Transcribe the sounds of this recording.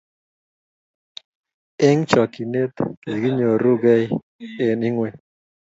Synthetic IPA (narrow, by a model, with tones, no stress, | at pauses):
e˦ŋt͡ʃɔ˨ki˨ne˦t̪i˨ɡi˦ɲo˨ɾu˦ɡa˦j | e˨ni˦ŋwe˨